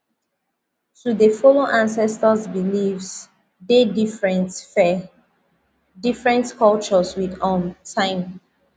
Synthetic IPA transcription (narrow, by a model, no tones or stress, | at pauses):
θɹuðəfɔloʔãnsɛstəsbilifs | dedifɹɛ̃ntfɛ | difɹɛ̃ntkɔlt͡ʃɔswidɔ̃mtʰãɪ̃m